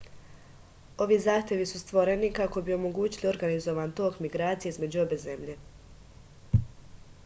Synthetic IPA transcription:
o̞ʋizaːxt̪ʲje̞ʋisust̪ʋo̞ɾe̞nikako̞bio̞mo̞ɡuːt͡ɕilio̞ɾɡanizo̞ʋaːnt̪o̞kmiɡɾaːt̪sije̞izme̞d͡ʑuo̞be̞ːze̞mʎe̞

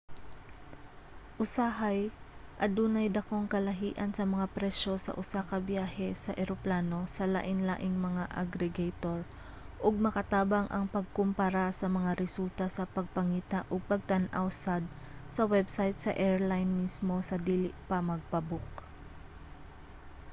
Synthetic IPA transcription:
ʔʊsaɦajʔɐd̪uːnɐjd̪ɐko̞ŋkɐlɐɦiːʔɐnsɐmɐŋapɾɛʃo̞sɐ̰ʔʊsakɐbjaːhɛsɐʔɛɾoplaːno̞sɐla̰ʔɪnla̰ːʔɪŋmɐŋaʔɐ̰ɡɾɛɡajt̪oɹ | ʔoɡ̚mɐkɐt̪aːbɐŋʔɐŋpɐɡ̚kʊmpɐɾasɐmɐŋaɾɛsult̪ɐsɐpɐɡ̚pɐŋiːt̪aʔoɡ̚pɐɡ̚t̪ɐnʔawsad̪̚ | sɐwɛbsajt̪̚sɐʔɛɹlajnmismo̞sɐd̪iːlɪʔpɐmɐɡ̚pɐbʊk

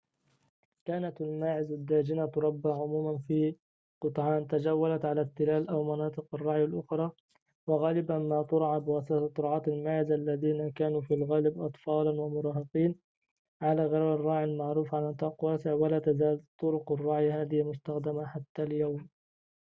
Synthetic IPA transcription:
kaːnat̪almaːʕɪzad̪ːaːd͡ʒɪnat̪ʊɾˤɑbːaʕʊmuːmanfiː | qɨt̪ˤʕɑːnt̪ad͡ʒawːalat̪ʕalat̪ːɪlaːlʔawmanɑːt̪ˤɨqɑrˤːɑʕjalʔʊxɾˤɑː | wɪɣaːlɪbamaːt̪ˤʊɾʕabɪwasatt̪ˤːʊɾʕɑːt̪almaːʕɪzalːaðiːnakaːnuːfilɣaːlɪbʔɑt̪ˤfɑːlanwamʊɾˤɑːɦɑqiːn | ʕalaːɣɑɾɾɑrˤːɑːʕjalmaʕɾuːfʕalant̪ˤɑːqwaːsɪʕwalaːt̪azaːlt̪ˤːʊɾʊqɑrˤːɑʕjahaːðɪhɪmʊst̪axd̪amaħat̪ːaljawm

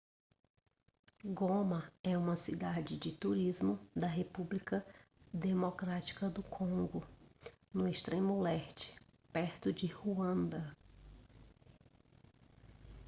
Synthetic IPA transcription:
ɡõmɐɛũmɐsid̪ad͡ʒɪd͡ʒɪt̪uɾizmʊd̪ɐɦepublikɐ | d̪emokɾat͡ʃi̥kɐd̪ʊkʰõŋɡʊnʊɪst̪ɾẽmʊɛɾt͡ʃɪ̥pɛɾt̪ʊd͡ʒɪhuɐ̃nd̪ɐ

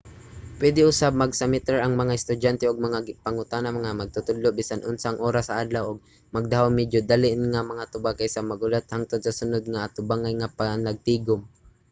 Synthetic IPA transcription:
pwɛd̪ɪʔʊsab̚mɐɡsamɪt̪ɛɹɐŋmɐŋaɪst̪ʊdant̪ɛʔʊɡ̚mɐŋaɡɪpaŋʊt̪anamɐŋamɐɡ̚t̪ʊt̪ʊd̪loʔbisanʔʊnsaʔːŋʔoːɾasɐʔad̪lawʔʊɡ̚ | mɐɡ̚d̪aɦawmɪdjod̪alɪʔnŋamɐŋat̪ʊbakajsamɐɡʊlat̪̚haŋt̪ʊd̪̚sɐsʊnod̪̚ŋaːt̪ʊbaŋanŋapanɐɡ̚t̪iːɡʊm

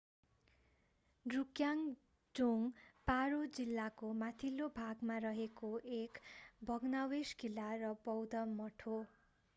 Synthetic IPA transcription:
ɖrukjaŋ | d͡zoŋpaɾod͡zilːakomat̪ʰilːobʱaɡmarʌɦekoʔekbʱʌɡnaweskilːarʌbʌwd̪ʌmʌʈʰo

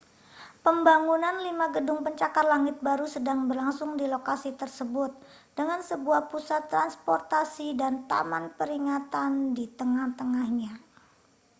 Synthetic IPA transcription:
pəmbaŋunanlimaɡədʊŋpəɲt͡ʃakarlaŋɪt̪̚baɾusədaŋbərlaŋsʊŋdilokasit̪ərsəbʊt̪̚ | d̥əŋansəbuahpusat̪ːɾanspɔrt̪asidant̪a̰manpəɾiŋat̪andit̪əŋaht̪əŋahɲa

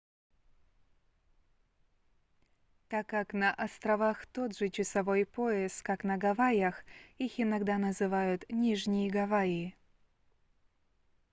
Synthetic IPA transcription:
t̪akːaknɐʔɐst̪ɾɐvaxt̪od̪ʐɨt͡ɕɪsɐvojpoɛskaknɐɡɐvajaxixɪnɐɡd̪anɐzɨvajʊt̪nʲiʐnʲɪjəɡɐvajɪ

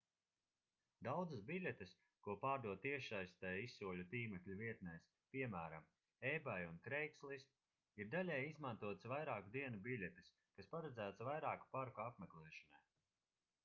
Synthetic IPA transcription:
d̪awd̪zɨsbilʲɛt̪ɨs | kuɔpaːɾd̪uɔt̪iɛʃajst̪ɛːjisːuɔlʲut̪iːmɛklʲuviɛt̪nɛːs | piɛmæːɾam | ɛjbajunkɾɛjkslˠis | iɾd̪alʲɛjizmant̪uɔt̪svajɾaːkud̪iɛnubilʲɛt̪i̥s | kaspaɾad̪zæːt̪svajɾaːku̥paɾkuapmɛklˠɛːʃɔnaj

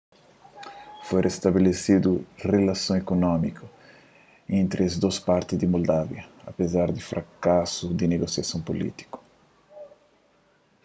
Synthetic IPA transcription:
fojɾest̪abelesid̪urelasõw̃ekonɔmikʰu | ẽnt̪ɾazd̪ospaɾt̪ɪzd̪ɪmold̪avjɐapezaɾd̪ɪfɾakasud̪ɪneɡosjasõw̃polḭt̪i̥kʊ̥

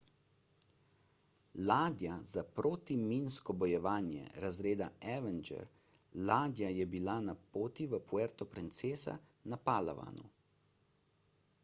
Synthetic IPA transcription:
laːd̪jazapɾoːt̪iminskɔbɔjɛʋaːnjɛ̰ɾazɾeːd̪aɛʋɛnd͡ʒɛ̰ɾ | laːd̪jajɛbilanapoːt̪iʋəpuɛɾt̪ɔpɾint̪seːsa̰napaːla̰ʋa̰nṵ

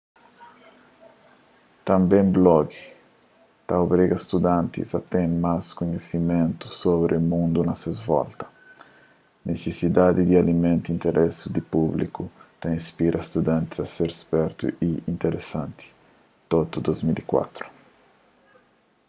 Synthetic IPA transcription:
t̪ɐ̃mbẽmblɔɡi | t̪aobɾiɡɐst̪ud̪ãnt̪ḭzɐt̪ẽnmaskuɲesimẽnt̪u̥sobɾʔemũnd̪unɐsezvɔ̰lt̪ɐ̥ | nesesid̪ad̪id̪ialimẽnt̪uint̪eɾʔɛsud̪ipublḭkut̪aĩspiɾʔɐst̪ud̪ãnt̪izɐseɾespɛɾt̪ṵiint̪eɾesãnt̪i̥ | t̪ot̪ud̪ozmilikwa̰t̪ɾu̥

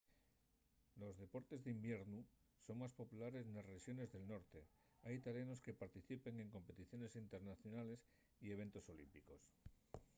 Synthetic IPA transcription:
lo̞zðe̞po̞ɾt̪e̞zðimbje̞ɾnu | so̞ŋmaspo̞pulaɾe̞snasreʃjo̞ne̞zðe̞lno̞ɾt̪e | ajit̪aljano̞ske̞paɾt̪iθipe̞ŋe̞ŋko̞mpe̞t̪iθjo̞ne̞sint̪e̞ɾnaθjo̞nale̞s | ie̞βe̞nt̪o̞so̞limpiko̞s

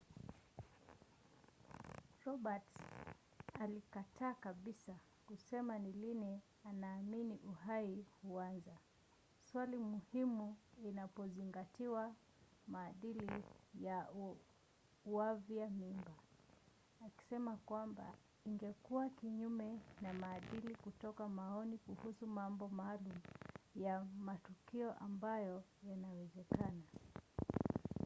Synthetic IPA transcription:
ɾɔɓat | alikatʰaːkaɓisa | kusɛmanilini | anaːminiʔuɦaihuanza | swalimuhimuinapɔziŋɡatiwa | maːɗilija | uaviamimbaː | ki̥sɛmakwamba̰ | iŋɡɛkuwakiɲumɛnamaːɗilikutɔkamaɔnikuhusumambɔmaːlumjamatukiɔʔambajɔjanawɛzɛkana

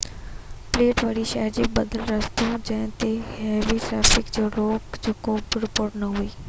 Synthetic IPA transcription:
pleːʈʋaːɽiʃaːd͡ʒibɐd̪əlɾɐst̪ũd͡ʒɛ̃ɦt̪ehɛːʋiʈɾɛːpʰɪkd͡ʒoːloːkd͡ʒoːkoːbɪɾɪpoːɾʈnɐɦuiː

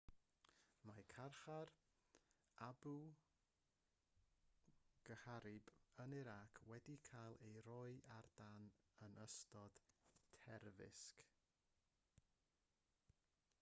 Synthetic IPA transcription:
makʰarχar | abu | ɡ̥əhaɾɪbənɪɾakʰwɛdikʰajlˠejɾɔɨʔard̥anənəstɔd̥tʰɛrvɪ̰sk

